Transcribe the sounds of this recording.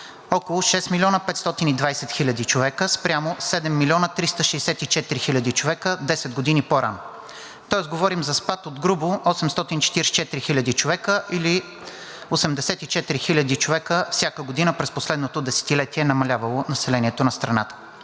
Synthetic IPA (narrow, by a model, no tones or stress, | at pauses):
ɔkolˠʊʃɛsmilʲɔnəpɛt̪st̪ɔt̪inid̪vajsɛt̪xilʲəd̪it͡ʃovɛkəspɾʲjamosɛd̪ɛmːilʲɔnət̪ɾist̪əʃɛjsɛt̪it͡ʃɛt̪iɾixilʲəd̪it͡ʃovɛkəd̪ɛsɛd̪̚ɡod̪inipoɾʔa̰no | t̪ɔɛsɡovɔɾimzɐspat̪od̪ɡɾuboʔɔsɛmst̪ɔt̪int͡ʃɛ̥t̪iɾst͡ʃɛt̪ɾixilʲəd̪it͡ʃovɛkəʔili | osɛmd̪ɛsɛt̪it͡ʃɛt̪iɾixilʲəd̪it͡ʃovɛkəfsʲjakəɡod̪inəpɾɛsposlɛd̪not̪od̪ɛsɛ̥t̪ilɛt̪iɛnɐmɐlʲavəlˠonɐsɛlɛniɛt̪onɐst̪ɾɐna̰t̪ə̥